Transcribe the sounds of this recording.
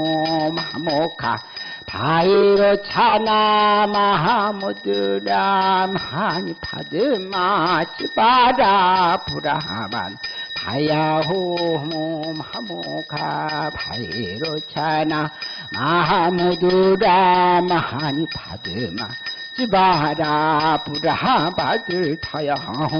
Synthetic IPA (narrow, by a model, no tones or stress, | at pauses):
mhamokʰa̰ | pʰajiɾot͡ʃʰanamaɦamud̪uɖamahanipʰa̰d̪ɨmat͡ʃibaɾapuɾaɦa̰ba̰npʰa̰jaɦuɦmumhamukʰabʱa̰jɾot͡ʃʰana | maɦamud̪uɾamahanipʰa̰d̪ɨma̰ | t͡ʃibaɾapuɾaɦabad̪ɨt̪ʰajaɦaɦu